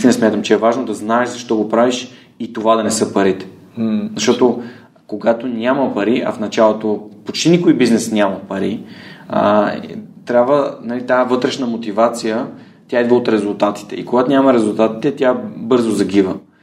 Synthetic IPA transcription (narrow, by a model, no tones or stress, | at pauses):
ist̪inɐsmʲjat̪əmt͡ʃɛɛvaʒnod̪ɐznaɛʃzɐʃt̪ɔɡopɾaviʃ | it̪ovad̪ɐnɛsɤpɐɾit̪ɛ̥ | zɐʃt̪ɔt̪o | koɡat̪onʲamɐpɐɾiʔɐ̰fnɐt͡ʃalˠot̪opot͡ʃt̪inikoibiznɛsnʲamɐpɐɾḭ | t̪ɾʲjabvənɐlit̪avɤt̪ɾɛʃnəmot̪ivat̪sijə | t̪ʲjaid̪viot̪ɾɛzʊlˠt̪at̪i̥t̪ɛ̰ḭkoɡat̪onʲamɐɾɛzʊlˠt̪at̪i̥t̪ɛt̪ʲjabɤɾzozɐɡivə